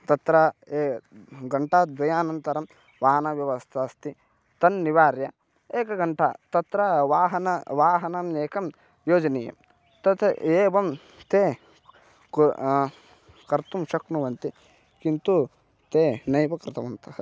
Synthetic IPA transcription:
t̪ɐt̪ɾɐ | ɡɐɳʈaːd̪ʋɐjaːnɐnt̪ɐɾɐm | ʋaːɦɐnɐʋjɐʋɐst̪ʰɐːst̪i | t̪ɐnːiʋaːɾjɐ | eːkɐɡɐɳʈɐt̪ɐt̪ɾɐʋaːɦɐnɐʋaːɦɐnɐmeːkɐm | joːd͡ʒɐniːjɐ̰m | t̪ɐt̪ʰɐeːʋɐm | t̪eː | kɐɾt̪umʃɐknuʋɐnt̪i | kint̪u | t̪eːnɐjʋɐkɾɪt̪ɐʋɐnt̪ʰɐhɐ

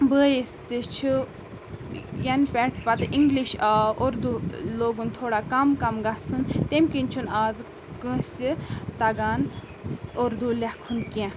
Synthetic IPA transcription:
bəːjist̪it͡ʃʰu | jɐnpʲɛʈpɐt̪ɨʔiŋɡliʃaoɾd̪uloːɡunt̪ʰoːɽaːkɐmkɐmɡasunt̪emʲkinʲt͡ʃʰunaːz | kə̃sit̪ɐɡaːn | oɾd̪ulehkʰunkẽ

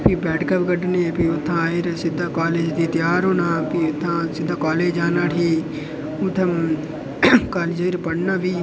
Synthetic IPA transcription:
piːbɛːʈkəpkəɖneːpiːʊt̪ʰːãːɪɾsɪd̪aːkaːleːd͡ʒd̪iːt̪ɪjaːɾɦoːnaːpiʊt̪ʰːãːsɪd̪ːaːkaːleːd͡ʒaːnaːʈʰiː | ʊt̪ʰːəm | kaːleːd͡ʒəɪɾpəɽnaːʋiː

